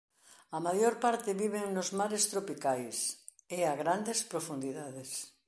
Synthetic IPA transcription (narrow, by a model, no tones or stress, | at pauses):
ɐmajoɾpaɾt̪ɪβiβeŋnozmaɾest̪ɾopikajs | eaɣɾand̪espɾofund̪iðaðes